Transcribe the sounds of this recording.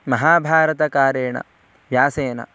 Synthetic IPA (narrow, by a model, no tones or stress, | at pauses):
mɐɦaːbʱaːɾɐt̪ɐkaːɾjeːɳɐ̰ | jaːseːnɐ̰